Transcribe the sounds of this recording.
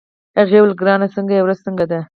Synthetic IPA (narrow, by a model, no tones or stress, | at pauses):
aɣewlɡɾɑnasəŋɡajawɾazsəŋɡad̪a